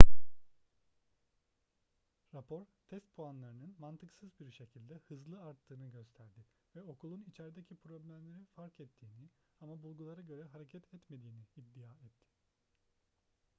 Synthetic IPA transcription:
ɾapʰo̞ɾt̪ʰɛst̪̚pʰuanlˠaɾɯnɯnmant̪ʰɯksɯzbiɾʃe̞cʰilʲd̪ɛhɯzlˠɯaɾt̪ʰːɯːnɯɟø̞st̪ʰæɾd̪ɪ | vɛo̞kulˠunit͡ʃʰɛɾd̪ecʰipɾo̞blʲæmlʲe̞ɾinfaɾkɛt̪ʰːiːni | amabulˠɡulˠaɾaɟø̞ɾɛɦaɾe̞cʰɛt̪ʰɛt̪me̞d̪iːniːd̪ːijaːɛt̪ʰːɪ̥

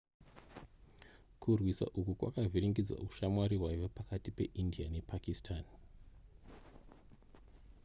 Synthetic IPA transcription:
kurwisa̰ʔukukwa̰kavʱiɾiŋɡid͡za̰ʔuʃamwaɾiwaʋopakatipe̞ʔindiane̞pakistʰaːn

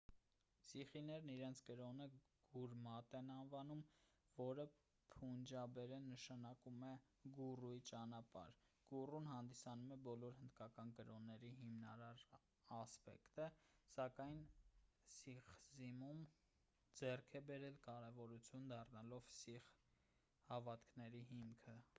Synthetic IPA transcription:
siχinɛɾniɾɛnt͡sʰkəɾɔnəɡ̥uɾmɑt̪ɛnɑnvɑnum | vɔɾə | pʰund͡ʒɑbɛɾɛnəʃɑnɑkumɛ | ɡuruit͡ʃɑnɑpɑ̰ɾ | ɡ̥urunɦɑnd̪isɑnumɛbɔlɔɾhənd̪kɑkɑnkəɾɔnːɛɾiɦimnɑɾɑɾ | ɑspɛ̰kt̪əsɑkɑjnsiχzimum | d͡zɛrkʰɛbɛɾɛlkɑɾɛvɔɾut͡sʰjund̪ɑrnɑlɔvsiχ | hɑvɑt̪kʰnɛɾiɦimkʰə

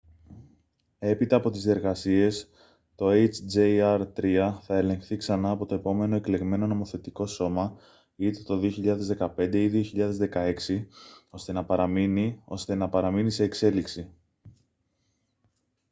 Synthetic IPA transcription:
e̞pit̪ɐːpo̞t̪izðie̞ɾɣɐsie̞s | t̪o̞ejt͡ʃd͡ʒeɐɾt̪ɾiɐθɐe̞lẽ̞ŋxθiksɐnɐːpo̞t̪oe̞po̞me̞no̞e̞kle̞ɣme̞no̞no̞mo̞θe̞t̪iko̞so̞mɐ | it̪et̪o̞ðio̞çiʎɐðe̞zðe̞kɐpe̞nd̪e̞iðio̞çiʎɐðe̞zðe̞kɐe̞ksio̞st̪e̞nɐpɐɾɐminio̞̰st̪e̞nɐpɐɾɐminise̞ːkse̞liksi

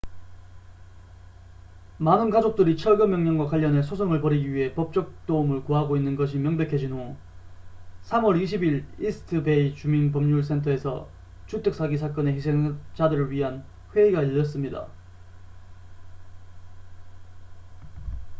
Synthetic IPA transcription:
manɯnkad͡ʑok̚t͈ɯɾit͡ɕʰʌɭɡɯmjʌŋɲʌnŋɡwakwaʎːʌnɦe̞sʰosʰoŋɯɭpʌɾiɡiɥiɦe̞pʌp̚t͡ɕ͈ʌk̚t͈omɯɭkoɦaɡoinːɯnɡʌɕʰimjʌŋbekʰed͡ʑinɦo | sʰamwʌɾiɕʰibiɾisʰɯ̥tʰɯbe̞it͡ɕuminpʌmɲuɭs̬ʰe̞ntʰʌe̞sʰʌ̰ | t͡ɕut͈ʰɯk̚s͈ʰaɡisʰak͈ʌne̞çisʰe̞ŋt͡ɕadɯɾɯɭɥiɦan | ɸwe̞iɡaiʎːʌs͈ɯmɲida̰

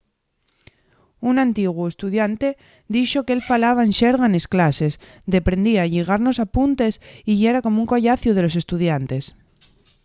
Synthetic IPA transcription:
unant̪iɣwuest̪uðjant̪e̞ | d̪iʃokeelfalaβ̞aenʃeɾɣanesklase̞s | d̪e̞pɾe̞nd̪iaʎeɣ̞aɾno̞sapunt̪e̞siʝeɾakomouŋkoʝaθjuð̞e̞lo̞s̬e̞st̪uð̞jant̪e̞s

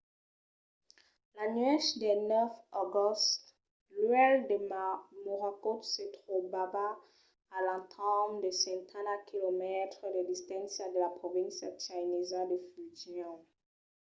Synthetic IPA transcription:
lanɥɛʃdenɛfɔɡɔst | luɛldemamoʁakosetχobabaː | lãtʰamdəsɛ̃ntʰanakilomɛtχdedist̪ɛ̃nsadəlapχɔvĩnsat͡ʃajnizadəfyʒjɔ̃

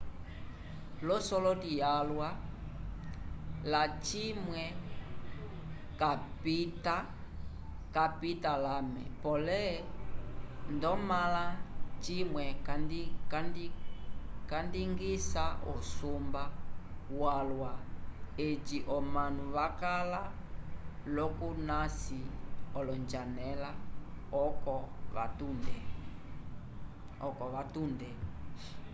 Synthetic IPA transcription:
lɔsɔlɔtijalwa | lat͡ʃimwɛ | kapita | kapitalamɛ̰pɔlɛ | ndɔmalat͡ʃimwɛkandikandi | kandiŋɡisaʔusumbawalwaet͡ʃiʔɔmanuβakala | lɔkunasiɔlɔnd͡ʒanɛlaɔkɔβa̰tundɛ | ɔkɔʋatundɛ

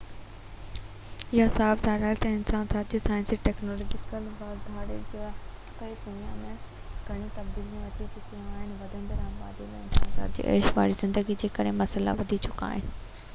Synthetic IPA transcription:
ɪɦasaːbzaːɾaːɾt̪ɛ̃ːɪnsaːnsaːt̪d͡ʑisaːɪ̃nsiʈɛːknoːlɔːd͡ʑɪkəlbaːld̪ʱaːɽed͡ʑekɐid̪ʊnijamẽ | ɡʱɐɽ̃it̪ɐbd̪iːlmẽɐt͡ɕit͡ɕʊkĩaːɦɪnɪ̆ʋɐd̪ʱə̃nd̪əɾãːmba̰ːd̪ilɛ̃ːɪnsaːnsa̰ːt̪̚d͡ʑḭːʔɛ̰ːʃʋa̰ːɾizɪ̃nd̪əɡid͡ʑeːkɐɾemɐsəla̰ʋɐd̪ʱit͡ɕʰʊka̰ːɦɪnɪ̆

